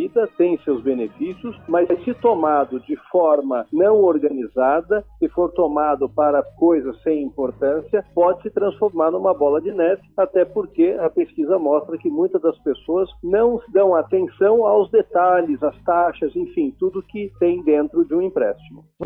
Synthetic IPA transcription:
vid̪ɐt̪ẽj̃sewzbenefisjʊsmɐzsɪt̪omad̪ʊd͡ʒɪfɔɾmɐnɐ̃w̃oɾɡɐnizad̪ɐsɪfoɾt̪omad̪ʊpaɾɐkojzɐsːẽj̃ĩmpoɾt̪ɐ̃siɐpɔd͡ʒɪsɪt̪ɾɐ̃sfoɾmaɾnũmɐbɔlɐd͡ʒɪnɛt͡ʃɪ̥at̪ɛpoɾkeɐpeskizɐmɔst̪ɾɐkɪmũj̃t̪ɐzd̪ɐspesoɐznɐ̃w̃sɪd̪ɐ̃w̃at̪ẽsɐ̃w̃awzd̪et̪aʎɪzɐst̪aʃɐzẽfĩt̪ud̪ʊkɪt̪ẽj̃d̪ẽnt̪ɾʊd͡ʒɪũĩmpɾɛ̰st͡ʃimʊ

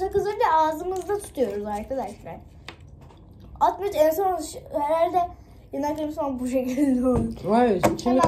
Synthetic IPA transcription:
akɯzɯɛaːzɯmɯzd̪at̪ʰu̥t̪ʰujo̞ɾuzaɾkʰad̪aʃlʲæɾ | at̪mat͡ʃesanaʃheɾalʲd̪ɛ | janakˠɯmsanbuʃ̬ekʰilʲd̪ouaest͡ʃʰi

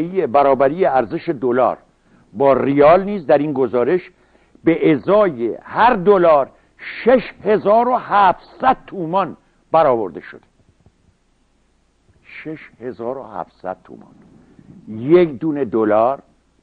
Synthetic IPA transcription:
ijebæɾɒːbæɾiːjeæɾzeʃe̞d̪olɒ̰ːɾ | bɒːrijɒːlniːzd̪æɾiːnɡo̞zɒːɾe̞ʃ | beʔezɒːjehæɾd̪olɒːɾ | ʃeʃhe̞zɒːɾohæfsæd̪̥̚t̪ʰuːmɒn | b̥æɾɒːbo̞ɾd̪e̞ʃod̪e̥ | ʃeʃhe̞zɒːɾo̰hæ̰fsæ̰d̪̥̚t̪ʰṵːmɒ̰n | jekd̪uːne̞d̪olɒːɾ

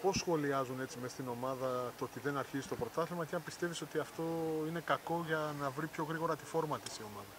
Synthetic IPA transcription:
po̞sxo̞liɐzune̞t͡sime̞st̪ino̞mɐðɐt̪ot̪iðe̞nɐɾçizist̪o̞pɾo̞t̪ɐθlimɐt̪iɐmpist̪e̞viso̞t̪iɐft̪o̞ine̞kɐko̞ʝɐnɐvɾipço̞ɣɾiɣo̞ɾɐt̪ifo̞ɾmɐt̪isio̞mɐðɐ

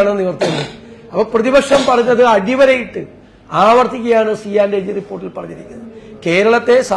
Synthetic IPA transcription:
aːɳenniʋɐrt̪ːiunːɨɐpːoprɐðibɐkʂɐmpɐrɐjuɲːɐðɨɐɽiʋɐɾɐjiʈːɨ | aːʋɐrt̪ːikʲːɐjaːɳɨsiːaːnded͡ʑɨripːoːʈːilpɐrɐɲːiɾikʲːunːɐðke̞ːɾɐɭɐt̪ːe̞sa

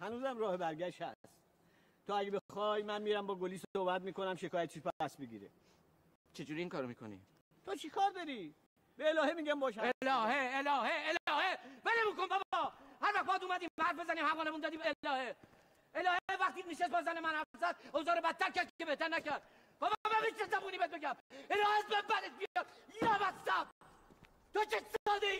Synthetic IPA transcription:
hænuːzæmɾɒːhebæɾɡæʃt̪æs | t̪ʰoæɟebexɒːjmænmiːɾæmbɒːɡoliːsosohbæt̪̚miːkʰonæmʃekʰɒːjæt̪ʰiʃbæd̪æst̪beɡiːɾḛ | t͡ʃʰe̞d͡ʒuːɾiiŋkʰɒːɾomikʰo̰nḭ | t̪ʰot͡ʃʰikʰɒːɾd̪ɒɾiː | b̥eelɒːhemiːɡæmbɒːʃæelɒːheːlɒːheelːhebenemuːkonbɒbhæɾvæχt̪̚bɒːd̪uːmæd̪iːmbhæɾt̪̚bezæniːmhævɒːnemund̪ɒːd̪iːmelɒːhe | elɒːheevæχt̪iːt̪niʃest̪bɒzænemænæzæd̪̚ozɒːɾobæt̪ʰːæɾkæɾd̪ikʰebeht̪æɾnæcæɾd̪̚ | b̥ɒːbbæmet͡ʃnezæbuːniːbed̪̚bekæmelɒːhesbæbæd̪et̪̚bijjæjɒːbæssæb | t̪ot͡ʃesɒːd̪e

